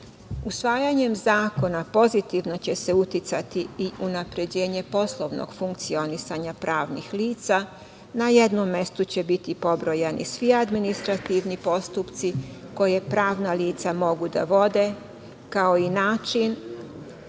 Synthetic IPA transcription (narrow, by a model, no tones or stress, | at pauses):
usʋaːjaɲe̞mzaːko̞napo̞zit̪iʋno̞t͡ɕe̞se̞ut̪it̪sat̪iiʔunapɾe̞d͡ʑe̞ːɲe̞po̞slˠoʋno̰ɡ̥fuŋkt̪sio̞nisaɲapɾaːʋnḭxliːt̪sa | naje̞d̪nomːe̞st̪ut͡ɕe̞bit̪ipo̞bɾo̞jenʔḭsʋiad̪minist̪ɾat̪iːʋnipo̞st̪upt̪siko̞je̞pɾaːʋnaliːt̪samo̞ɡud̪a̰ʋo̞d̪e̞ | kaoinaːt͡ʃin